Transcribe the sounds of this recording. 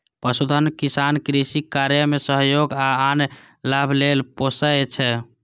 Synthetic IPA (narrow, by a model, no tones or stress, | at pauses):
pəsud̪ʱənkisankɾisikaɾjəmesəɦjoɡaːn | labʱlelposəet͡ʃʰɛ